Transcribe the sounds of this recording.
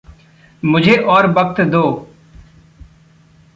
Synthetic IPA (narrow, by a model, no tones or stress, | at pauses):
mʊd͡ʒʱeːʔɔːɾʋək̚t̪d̪oː